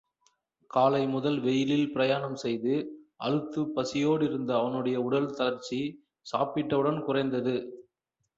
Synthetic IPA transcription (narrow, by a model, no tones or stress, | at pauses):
kaːlɐɪmʊðɐlʋɛjɪlɪlpɪɾɐjaːɳɐmsɛjðɯʔɐ̰ɻɯt̪ːɯpːɐsɪjoːɽɪɾɯnd̪ɐːʋɐnɯɽɐjɐʊɽɐlt̪ɐlɐɾt͡ʃi | saːpɪʈːɐʋɯɽɐnkʊrɐɪnd̪ɐðɯ